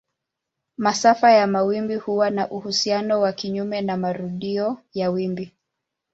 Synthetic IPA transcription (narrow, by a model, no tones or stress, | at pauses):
masafajamawimbihuwanaʔuhusianɔwakiɲumɛnamaɾuɗiɔjawimbi